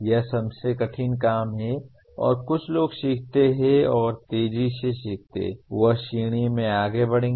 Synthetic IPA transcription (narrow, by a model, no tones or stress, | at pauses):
jɐɦsɐbsekɐʈʰinkaːmɦɛ | ɔ̰ːɾkʊt͡ʃʰloːɡʃiːk̚ʰt̪eɦɛɔːɾt̪eːd͡ʒiseʃiːk̚ʰt̪ḛʋɐɦʃiːɽ̃imẽaːɡebɐɽ̤ẽː